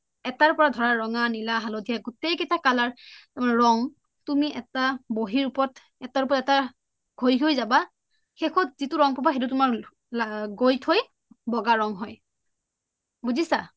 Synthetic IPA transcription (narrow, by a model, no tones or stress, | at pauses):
ɛtaɹpɔɹadʱɔɹaɹɔŋanilaɦalodʱijaɡutejkitʰakalaɹtamanɹɔŋ | tumiʔɛtaboɦiɹupɔt | ɛtaɹup̬ɔtɛta | ɡʱojɦojzaba | xexʰɔtzitʊɹɔŋpɔbaxet̬ʊt̬ʊmaɹ | aɡojtʰoj | bɔɡaɹɔŋɦɔj | buzisa